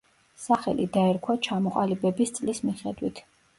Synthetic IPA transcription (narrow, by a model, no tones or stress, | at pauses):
saχɛ̰lḭd̪aɛɾkʰwat͡ʃʰamɔqʼalibɛbist̪sʼlismiχɛd̪wit̪ʰ